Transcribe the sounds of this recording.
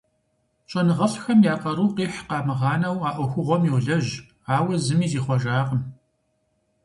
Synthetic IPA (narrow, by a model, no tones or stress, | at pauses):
t͡ʃʼɐnɨʁɐɬxɐmjaːqɐɾuːqiːħqɑːmɨʁɑːnɐwaːʔʷʊxʷʊʁʷɔmjiwɮɐʒ | aːwɐzɨmiːziːχʷɔʒaːqəm